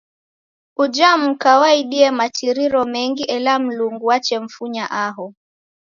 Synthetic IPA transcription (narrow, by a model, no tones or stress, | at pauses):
ud͡ʒam̩kawaiɗiɛmat͡ʃiɾiɾɔmɛŋɡiʔɛlam̩luŋɡuat͡ʃɛɱ̩fuɲaʔaɦɔ